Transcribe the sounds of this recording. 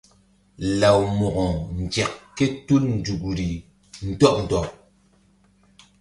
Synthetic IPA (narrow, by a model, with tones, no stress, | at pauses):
la˨wmɔ˨ʔɔ˨n̩˨d͡ʒɛ˨kːe˦tu˦ln̩˨d͡ʒu˨ɡu˨ɾi˨ | n̩˨tɔ˦ʔ̚n̩˨tɔ˨